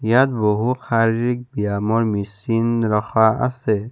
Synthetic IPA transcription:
jat̪̚bɔɦuxʰaɾik̚bijamɔɾmisinɾɔxaa̰sɛ

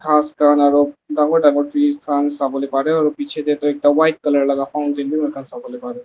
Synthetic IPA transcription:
kʰaːskaːnaːɾoːbɖãːŋɡoɖãŋɡoʈɾiːkʰaːnsaːbolepaːɾeɔɾopiːt͡ʃʰed̪et̪oeːk̚t̪aʋaːɪʈ̚kɐləɾlɐɡafaʊnt͡ʃẽnd̪iməɾkaːnsaːbolepaːɾe

